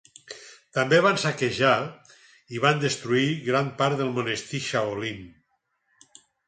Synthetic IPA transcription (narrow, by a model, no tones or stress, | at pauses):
t̪ambeβansakeʒa | iβand̪est̪ɾuiɣɾampaɾt̪ðelˠmonest̪iʃaolim